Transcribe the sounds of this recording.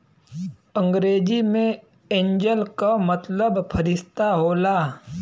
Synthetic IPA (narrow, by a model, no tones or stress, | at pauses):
ə̃ŋɡɾeːd͡ʒimẽ | ẽːɲd͡ʒəlkamət̪ləbpʰəɾɪst̪aɦoːlaː